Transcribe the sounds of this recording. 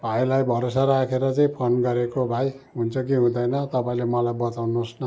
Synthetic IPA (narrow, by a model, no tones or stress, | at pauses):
bʱajlajbʱʌɾos̬aɾakʰeɾʌt͡saĩpʰonɡʌɾekobʱaj | ɦunt͡sʰʌkiɦũd̪ʌjnʌt̪ʌpaĩlemʌlajbʌt̪awnosnʌ